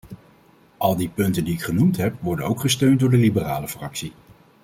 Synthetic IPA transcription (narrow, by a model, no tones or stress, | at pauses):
ʔɑlˠdipɵntəndiɪkχənumtɦɛpʋɔɹdənowkχəstøɥnt̚dʊːɹdəlibəraːləfrɑksi